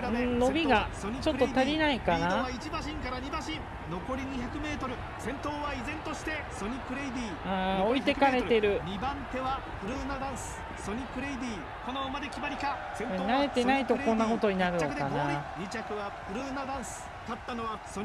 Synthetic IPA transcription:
aɯ̃no̞bʲiɡasɲit͡ɕo̞ɾːt̪aɾʲinaikanaait͡ɕibaɕĩŋkaɾaɲibãɕĩ | no̞ko̞ɾʲiɲ̟içakɯ̟me̞ːt̪oɾɯ̟ | sẽ̞nt̪oːβaizẽ̞nt̪oɕi̥t̪e̞soɲʲikɯ̟ɾeid̪ʲiːaːo̞it̪e̞kaɾe̞t̪e̞ɾɯ̟ɲibãnt̪e̞βa | pɯ̟ɾɯnad̪ãɰ̃sɨ̥ | soɲʲikɯ̟ɾeid̪ʲiː | konomad̪ekʲibaɾʲika | seɲnaɾe̞t̪e̞nait̪o̞õ̞nːako̞t̪o̞ɲ̟inaɾɯ̟no̞kanaɲit͡ɕakɯ̟βapɯɾɯnad̪ãɰ̃sɨ̥ | t̪at̪ːanoβa

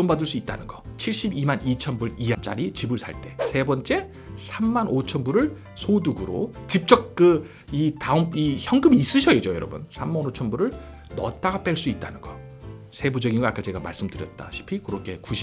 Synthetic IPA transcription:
ombadɯɭs͈uit̚t͈a̰nɯnɡʌt͡ɕʰiɭɕ͈ibimanit͡ɕʰʌnbuɾiant͡ɕ͈a̰ɾit͡ɕibɯɭsʰa̰ɭt͈e̞sʰe̞bʌnt͡ɕ͈e̞ | sʰamːanot͡ɕʰʌnbuɾɯɭ | sʰoduɡɯɾo̰t͡ɕip̚t͡ɕ͈ʌk̚k͈ɯ | itaɯmiçjʌŋɡɯmiːs͈ɯɕʰʌed͡ʑojʌɾʌbṵnsʰamːannot͡ɕʰʌnbuɾɯɭ | nʌ̰t̚t͈aɡap͈eɭs͈uit̚t͈anɯnɡʌ | sʰe̞bud͡ʑʌɡinɡoak͈ʰat͡ɕe̞ɡama̰ɭs͈ɯmdɯɾjʌt̚t͈a̰ɕʰi̥pʰikɯɾokʰe̞kuɕʰi̥

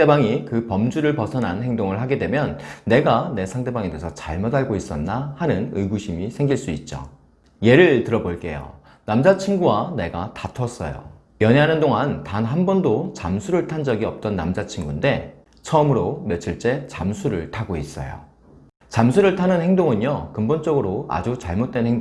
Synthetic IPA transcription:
ebaŋikɯpʌmd͡ʑuɾɯɭpʌsʰʌnɦanhe̞ŋdoŋɯɭhaɡe̞dwe̞mjʌnːe̞ɡane̞sʰaŋde̞baŋede̞sʰʌt͡ɕaɭmʌdaɭɡois͈ʌnːahanɯnɯɡuɕʰimisʰe̞ŋɡiɭs͈uit̚t͡ɕ͈o̰ | je̞ɾɯɭtɯɾʌboɭk͈e̞̰jo̰ | namd͡ʑat͡ɕʰiŋɡuwane̞ɡatatʰʌs͈ʌ̰jo̰ | jʌɲeɦanɯndoŋantanɦanbʌndot͡ɕamsʰuɾɯɭtʰand͡ʑʌɡiʌp̚t͈ʌnːamd͡ʑat͡ɕʰiŋɡunde̞ | t͡ɕʰʌɯmɯɾomet͡ɕʰɯɭt͡ɕ͈e̞t͡ɕa̰msʰuɾɯɭtʰaɡois͈ʌ̰jo̰ | t͡ɕamsʰuɾɯɭtʰanɯnhe̞ŋdoŋɯɲjʌkɯmbont͡ɕ͈ʌɡɯɾoa̰d͡ʑut͡ɕaɭmot̚t͈enheŋd

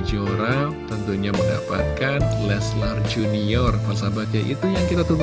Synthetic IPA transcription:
d͡ʒoɾat̪ənt̪uɲamənda̰pa̰t̪̚kanlɛslard͡ʒuniɔrkas̬abat̪̚jaʔḭt̪ujaŋkit̪at̪uɡ

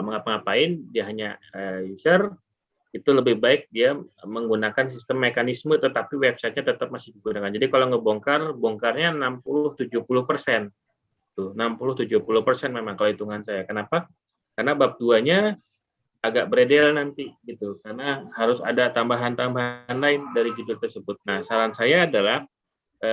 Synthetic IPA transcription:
məŋapaŋapaɪndiaɦaɲaəjusər | it̪uləbɪhbaɪk̚diaməŋɡunakans̬ist̪əmːekanismət̪ət̪apiwɛb̚sat̪̚ɲat̪ət̪əp̚masɪhdiɡunakand͡ʒadikaloŋəboŋkarbɔŋkarɲanampulʊht̪ud͡ʒʊhpulʊhpərsɛn | t̪ʊnampulʊht̪ud͡ʒʊhpulʊhpərsɛnmemaŋkalaoit̪uŋansajakənapa | karnabap̚duaɲa | aɡaʔ̚bəɾedɛlnant̪iɡit̪ukarnahaɾʊsa̰dat̪ambaɦant̪ambaɦanlaɪndaɾid͡ʒudʊlt̪ərsəbʊt̪̚nahsaɾansajaːdalah | ə

